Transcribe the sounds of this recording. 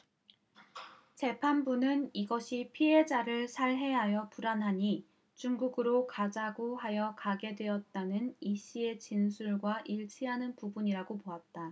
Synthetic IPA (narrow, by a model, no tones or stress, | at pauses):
t͡ɕe̞pʰanbunɯniɡʌɕʰipʰiɦe̞d͡ʑaɾɯɭsʰaɭɦe̞ɦajʌpuɾanɦaɲi | t͡ɕuŋɡuɡɯɾokad͡ʑaɡoɦajʌkaɡe̞dwe̞ʌt̚t͈anɯniɕ͈ʰie̞t͡ɕinsʰuɭɡwaʔiɭt͡ɕʰiɦanɯnpubuɲiɾaɡopoat̚t͈a